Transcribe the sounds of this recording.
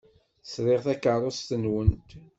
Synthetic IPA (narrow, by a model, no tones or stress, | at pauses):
sɾˤeʁθækːərˤost̪ənwənt̪